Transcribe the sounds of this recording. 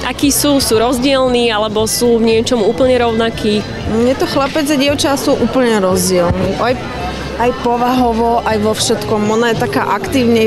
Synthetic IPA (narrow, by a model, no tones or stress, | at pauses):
ʔakiːsuːsuːɾɔzɟɪɛlniːalɛbɔsuːvɲɪɛt͡ʃɔmuːpl̩ɲɛɾɔʊnakiː | jɛt̪ɔxlapɛd͡zaɟɪɛʊt͡ʃasuːʔuːpl̩ɲɛɾɔzɟɪɛlniːʔaj | ajpɔʋaɦɔʋɔʔajʋɔfʃɛt̪kɔmɔnajɛt̪akaːʔakt̪iːʊɲɛ